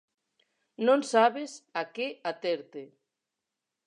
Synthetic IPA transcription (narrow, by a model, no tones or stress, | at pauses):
nõŋsaβesakeat̪eɾt̪e